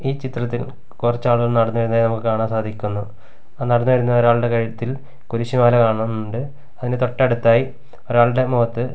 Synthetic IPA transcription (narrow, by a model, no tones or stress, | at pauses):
iːt͡ɕit̪rɐt̪̬ːil | kurɐt͡ɕːaːɭɨɣɐɭnɐɽɐnːuʋɐɾnːɐðaːinɐmukːɨkaːɳaːmsaːd̪ʱikʲːunːu | anɐɽɐnːuʋɐɾunːɐo̞ɾaːɭɨɽe̞kɐɻiɐt̪ːil | kuɾuɕimaːlɐkaːɳɐɳɐmnːuɳɖɨ | ɐðint̪o̞ʈːɐeɽut̪ːaːji | o̞ɾaːɭɨɽe̞moːt̪ːɨ